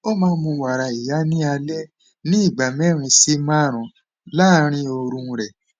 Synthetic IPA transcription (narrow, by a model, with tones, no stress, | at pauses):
o˦mãː˧˦mũ˧wa˨ɾa˨i˨ja˨˦nĩ˦a˧lɛ˦ | nĩ˦i˦˨ɡ͡ba˨mɛ˦˨ɾ̃ĩ˧si˦mã˦˨ɾ̃ɔ̃˨ | laː˦ɾ̃ĩ˦o˧ɾũ˧ɾɛ˨